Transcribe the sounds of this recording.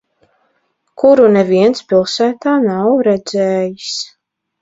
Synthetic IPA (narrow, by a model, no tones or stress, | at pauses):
kuɾunɛviɛnspilˠsæːt̪aːnawɾɛd̪zɛːjis